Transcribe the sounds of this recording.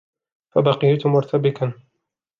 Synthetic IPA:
fabɑqɪjat̪ʊmʊɾt̪ʰabɪkan

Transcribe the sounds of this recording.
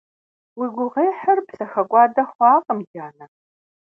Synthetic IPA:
wiːɡʷʊʁeːħɐrpsɐxɐkʷʼɑːdɐχʷɑːqʼəmdaːnɐr

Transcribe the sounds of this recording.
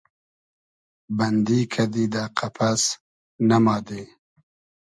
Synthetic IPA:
bɐnd̪iːkʰɐd̪id̪aːqʰapʰas | namɑːd̪e

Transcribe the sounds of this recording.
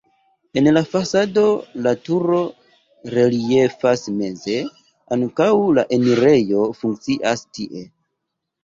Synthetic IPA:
e̞nlafasado̞latuɾo̞ | ɾe̞lie̞fasme̞ze̞ | aŋkawlaʔeniɾe̞jo̞fuŋk̚t͡siʔastiʔe̞

